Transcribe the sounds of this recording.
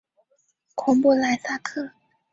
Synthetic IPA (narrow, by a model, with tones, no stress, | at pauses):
kʰʊ˧˥ŋpu˥˩la˧˥ɪsa˥˧kʰɤ˥˩